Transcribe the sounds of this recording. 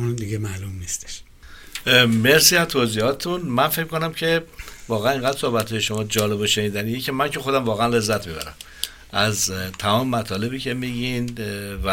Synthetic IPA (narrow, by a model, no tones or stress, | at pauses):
nd̪iɡemælumnist̪e̥ʃ | me̞ɾsiːhæmt̪ʰoziːhɒːt̪t̪unmænfecmikʰonæmcʰe̞vɒːɣææneŋɡæd̪ɾso̞hbæt̪ʰɒːje̞ʃo̞mɒːd͡ʒɒːle̞boʃe̞niːd̪æniːjecʰe̞mæncʰe̞xo̞d̪æmvɒːɣeænle̞zːæt̪ʰmiːbæ̰ɾæ̰m | ʔæzt̪ʰæmɒːmemæt̪ʰɒːle̞biːcʰe̞miːɟinv